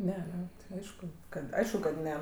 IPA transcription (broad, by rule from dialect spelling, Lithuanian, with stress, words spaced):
ˈnʲɛ ɐˈnʲɛ ˈɐɪʃkʊ ˈkɐt ˈɐɪʃkʊ kɐt ˈnʲɛ